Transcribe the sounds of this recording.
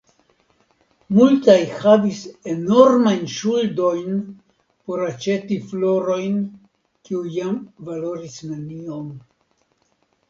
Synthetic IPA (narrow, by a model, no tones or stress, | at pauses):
multajhavise̞no̞ɾmajnʃuldo̞jn | po̞ɾat͡ʃe̞tiflo̞ɾo̞jn | kiujamvalo̞ɾisnanio̞n